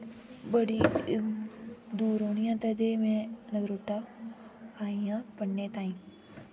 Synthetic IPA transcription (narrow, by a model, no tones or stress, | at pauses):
bəɽiː | d̪uːɾɦoːɳɪjãːt̪əd͡ʒemɛ̃nəɡɾoːʈːaː | aːijãːpəɳneːt̪ãːĩː